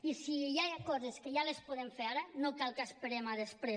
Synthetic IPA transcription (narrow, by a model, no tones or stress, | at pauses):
isijajkɔzeskəjalespuðemfeaɾanokalˠkaspeɾemaðespɾe